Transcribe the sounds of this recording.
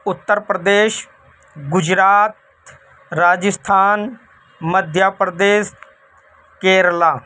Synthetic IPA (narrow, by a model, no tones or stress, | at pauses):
ʊt̪ːəɾpɾəd̪eːʃ | ɡʊd͡ʒɾaːt̪ | ɾaːd͡ʒəst̪ʰaːn | məd̪ʱjaːpɾəd̪eːs | keːɾlaː